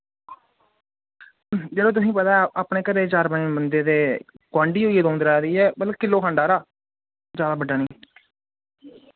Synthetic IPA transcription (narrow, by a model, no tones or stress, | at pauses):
d͡ʒeːdõt̪̬ʊs̬ĩːpət̪aːɛaːpɳeːkəɾeːt͡ʃaːɾbənːbənd̪eːd̪eː | kwãːɳɖiːɦoːiːɛːd̪õːnd̪ɾaːd̪iːɛːmət̪ləkkɪlːoːkʰãːɳɖaːɾaː | zjaːd̪aːbəɖːaːnĩː